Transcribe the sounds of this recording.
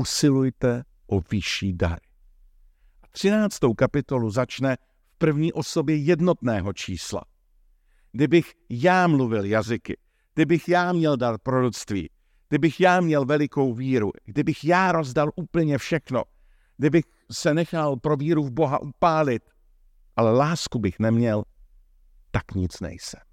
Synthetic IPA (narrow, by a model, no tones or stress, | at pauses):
usɪlujt̪ɛ | ʔovɪʃiːda̰ɾɪ | ʔat̪r̝̥ɪnaːt͡st̪o̞wkapɪt̪o̞luzat͡ʃnɛ | fpr̩vɲiːʔo̞so̞bjɛjɛdno̞t̪nɛːɦo̞t͡ʃḭːsla̰ | ɡ̥dɪbɪxjaːmluvɪljazɪkɪ̰ | ɡ̥̚dɪbɪxjaːmɲɛldat̪̚pɾoɾut͡st̪vḭː | ɡ̥dɪbɪxjaːmɲɛlvɛlɪko̞wviːɾuɡdɪbɪxjaːɾo̞zdalʔuːpl̩ɲɛfʃɛxno̞̰ | ɡ̥dɪbɪx | sɛnɛxalpɾoviːɾuvbo̞ɦa̰ʔupaːlɪt̪ | ʔalɛlaːskubɪxnɛmɲɛl | t̪akɲɪt͡snɛ̰jsɛm